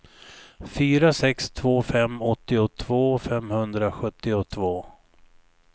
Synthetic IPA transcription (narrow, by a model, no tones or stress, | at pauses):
fyːɾasɛkst̪ʰvoːfɛmɔt̪ːɪʊt̪ʰvoːfɛmhɵnd̪ɾaɧɵt̪ːɪʊt̪ʰvoː